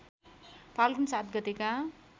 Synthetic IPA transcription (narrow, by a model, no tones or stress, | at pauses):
pʰalkunsat̪ɡʌt̪eka